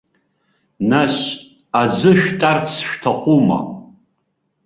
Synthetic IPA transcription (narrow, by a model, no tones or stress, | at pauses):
naɕ | ad͡zɨʃᶣtʼart͡sʰʃᶣtʰaχʷuma̰